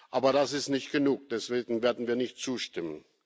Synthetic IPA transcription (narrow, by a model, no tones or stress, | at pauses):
ʔaːbɐɾasɪstnɪçt̚ɡ̥ənuːk̚d̥ɛsv̥eːɡŋ̩veːɐdn̩viːɐnɪçtt͡suːʃtɪmə̰n